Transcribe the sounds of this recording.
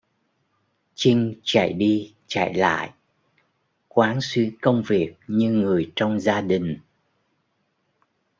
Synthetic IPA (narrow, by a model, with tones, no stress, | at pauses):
t͡ɕï˧ŋ̟t͡ɕa̰˧˨jɗi˧ | t͡ɕa̰ː˧˨jla̰ː˧˨jʔ | kwaː˨˦nswi˨˦kə˧wŋ͡mvi˨˩ək̚ɲɨ˧ŋɨ˨˩əjt͡ɕɔ˧wŋ͡mzaː˧ɗï˨˩ŋ̟